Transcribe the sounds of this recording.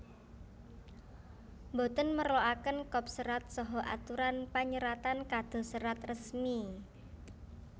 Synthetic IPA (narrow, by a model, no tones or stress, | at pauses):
mbot̪ənməɾoakənkɔp̚səɾat̪̚sɔɦɔʔa̰t̪uɾanpaɲəɾat̪ankad̪̥o̤səɾat̪rəsmi